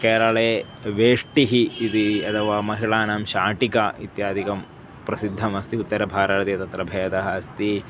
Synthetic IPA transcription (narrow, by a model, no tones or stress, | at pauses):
kɛːɾɐɭeː | ʋeːʂʈiɦiːd̪iɐt̪ʰɐʋaːmɐɦiɭaːnɐmʃaːʈikɐit̪jaːd̪ikɐm | pɾɐsid̪ʱːɐmɐst̪iut̪ːɐɾɐbʱaːɾɐɾɐt̪ijɐt̪ɐt̪ɾɐbʱɐːjɐt̪ɐɦɐɐst̪i